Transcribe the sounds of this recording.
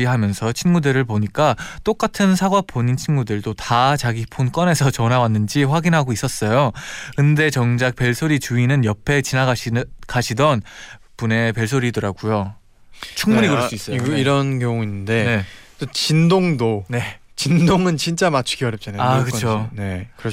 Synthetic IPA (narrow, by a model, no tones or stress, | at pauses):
iɦamjʌnsʰʌt͡ɕʰinmudɯɾɯɭp̬oɲik͈at͈ok͈atʰɯnsʰaɡwapʰoɲint͡ɕʰinmudɯɭdotat͡ɕaɡipʰonk͈ʌne̞sʰʌt͡ɕʌnawanːɯnd͡ʑiɸwaɡinɦaɡois͈ʌs͈ʌjokɯnde̞t͡ɕʌŋd͡ʑak̚pe̞ɭsʰoɾit͡ɕuinɯnjʌpʰe̞t͡ɕinaɡaɕʰkaɕʰidʌn | pune̞pe̞ɭsʰoɾidɯɾaɡujo | t͡ɕʰuŋmuɲikɯɾʌss͈uis͈ʌiɾʌnkjʌŋuinːɯnde̞ne̞tot͡ɕindoŋdone̞ | t͡ɕindoŋɯnt͡ɕint͡ɕ͈amat͡ɕʰu̥ɡiwaɾjʌp̚t͡ɕ͈anaakɯt͡ɕʰone̞kɯɾ